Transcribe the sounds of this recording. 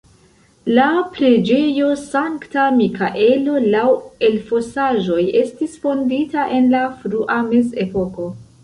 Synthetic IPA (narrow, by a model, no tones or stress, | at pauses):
lapɾe̞d͡ʒe̞jo̞saŋktamikaʔe̞lo̞lawe̞lfo̞saʒo̞je̞stisfo̞nditaʔe̞nlafɾuʔameze̞po̞ko̞